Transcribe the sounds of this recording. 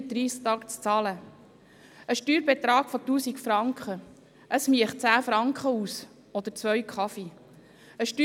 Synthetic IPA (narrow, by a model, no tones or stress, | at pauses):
d̪ɾiːst̪ɑːkt͡st͡sɑːlə | əʃtyːɾbet̪ɾɑːɡfot̪uːsikfɾɑŋkχə | ʔəsmiəχt͡sæːfɾɑŋkχəuːs | ɔd̪əɾt͡sʋœɥkʰχɑfi | əʃty